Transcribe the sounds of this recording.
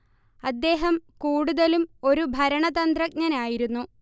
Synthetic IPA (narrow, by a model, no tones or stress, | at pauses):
ɐd̪ːe̞ːɦɐmkuːɽuðɐlumo̞ɾubʱɐɾɐɳɐðɐnd̪rɐk̚ɲɐnaːjiɾunːu